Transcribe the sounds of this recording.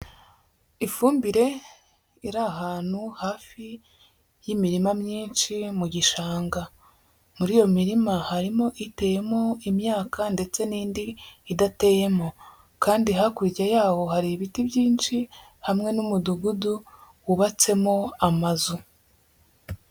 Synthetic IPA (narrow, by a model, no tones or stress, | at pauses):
ifuːmbiɾe̞ | iɾaɦaːn̥huhaːfi | jimiɾimamɲiːnʃimuɟiʃaːŋɡa | muɾiːjo̞miɾimahaɾimo̞ʔite̞ːje̞mo̞imɲaːkʰande̞t͡se̞niːndiːdate̞ːje̞mo̞ | kaːndiɦakuɾicajaːwo̞ɦaɾiβitibjiːnʃi | hamŋe̞numuduɡudu | wuβat͡se̞mo̞amazu